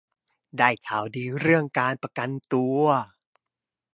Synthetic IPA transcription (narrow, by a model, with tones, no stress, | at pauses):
daː˥˩jk̪ʰaː˩˦wdiː˧ɾɯ˥˩əŋkaː˧npɾa˧ka˧nt̪u˧